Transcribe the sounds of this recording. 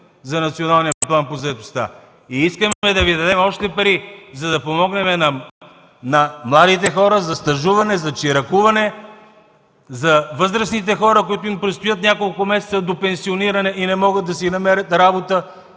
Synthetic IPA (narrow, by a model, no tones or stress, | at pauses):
zɐnɐt̪sionalˠnijəplˠanpozɐɛt̪ost̪a̰ | iiskəmɛd̪ɐvid̪ɐd̪ɛmɔʃt̪ɛpɐɾizɐd̪ɐpomɔɡnɛmɛnɐ | nɐmlˠad̪it̪ɛxɔɾəzɐst̪ɐʒuvɐnɛzɐt͡ʃiɾɐkuvɐnɛ | zɐvɤzɾəsnit̪ɛxɔɾəkʊit̪ʊimpɾɛt̪st̪ʊjət̪nʲjakolˠkʊmɛsɛt̪səd̪opɛnsioniɾɐnɛʔinɛmɔɡəd̪̚d̪ɐsinɐmɛɾət̪ɾabot̪ə